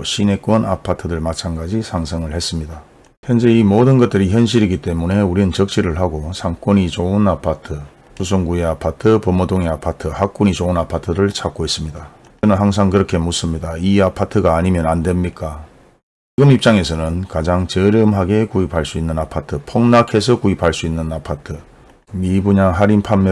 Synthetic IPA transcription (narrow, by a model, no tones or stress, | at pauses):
ɕʰine̞k͈wʌna̰pʰatʰɯdɯɭmat͡ɕʰanɡad͡ʑisʰaŋsʰʌŋɯɭhe̞s͈ɯmɲida | hjʌnd͡ʑe̞imodɯnɡʌt̚t͈ɯɾiçjʌnɕ̬ʰiɾiɡit͈e̞mune̞uɾinɯnt͡ɕʌk̚t͡ɕ͈ʰiɾɯɭɦaɡosʰaŋk͈onit͡ɕounapʰatʰɯ | sʰus̬ʰoŋɡueapʰatʰɯpʌmodoŋeapʰatʰɯhak͈̚uɲit͡ɕounapʰatʰɯɾɯɭt͡ɕʰak͈ois͈ɯmɲida | nɯnɦaŋs̬ʰaŋkɯɾʌkʰe̞mus͈ɯmɲidaiapʰatʰɯɡaːɲimjʌnandwe̞mɲik͈a | t͡ɕɡɯmip̚t͡ɕ͈aŋe̞sʰʌnɯnkad͡ʑaŋt͡ɕʌɾjʌmɦaɡe̞kuipaɭs͈uinːɯnapʰatʰɯpʰoŋnakʰe̞s̬ʰʌkuipaɭs͈uinːɯnapʰatʰɯ | mibuɲaɦaɾimpʰamː